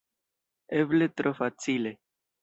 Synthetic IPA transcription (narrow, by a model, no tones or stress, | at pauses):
eblet̪ɾofat͡sile